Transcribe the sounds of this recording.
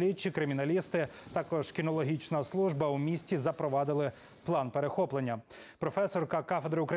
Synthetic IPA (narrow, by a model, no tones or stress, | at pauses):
lʲit̚ʲt͡ʃikɾɪmʲinɐlʲist̪ɪt̪ɑkɔʒ̥kʲinɔlˠɔɦʲit͡ʃnɐslˠuʒbɐwmʲisʲtʲizɐpɾɔʋɑd̪ɪlˠɪ | plˠɑnpeɾexɔplˠenʲːɐ | pɾɔfɛsɔrkɐkɑfed̪ɾɪʊkɾɐ